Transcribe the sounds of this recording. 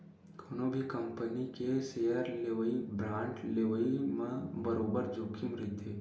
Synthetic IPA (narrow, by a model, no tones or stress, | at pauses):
kʰoːnobʱikɐ̃mpənikeseəɾleʋibɾãːɳʈleʋəimẽbəɾoːbəɾd͡ʒoːkʰimɾɪt̪ʰeː